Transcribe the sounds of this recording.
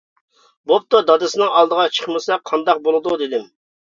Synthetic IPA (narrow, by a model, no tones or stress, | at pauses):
bop̚t̪od̪ɑd̪ɨsɪnɨŋɑlˠd̪əʁɑt͡ʃʰə̥χmɨsɛqʰɑnd̪ɑq̚bolˠɨd̪ud̪ed̪ɪm